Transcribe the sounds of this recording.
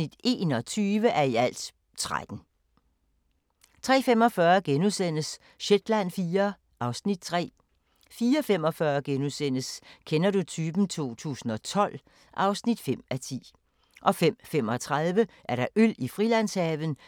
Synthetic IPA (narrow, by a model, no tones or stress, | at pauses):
nid̥e̝ːnɒ̽t͡sʰyːʋəʔæɐiæl̰d̥ | t͡sʰʁa̰d̥n̩ | t͡sʰʁɛ̰ːfem̰ɒ̽fɶːɐɡ̥enusen̰əs | ɕed̥læn̰fiːɐ | ʔɑ̈ʊsnid̥̚t͡sʰʁɛ̰ː | fiːɐfemɒ̽fɶːɐɡ̥enusen̰əskʰenɐɾut͡sʰyːb̥n̩t͡sʰo̝̰ːt͡sʰṵːsn̩ɒ̽t͡sʰɒ̽l̰ | ʔɑ̈ʊsnid̥fem̰æt͡sʰḭː | ʔɒ̽fem̰fem̰ɒ̽t͡sʰʁaðˠʋəʔæɐɾ̥ɑ̈ʔøl̰ifʁilæn̰shɛːʋn̩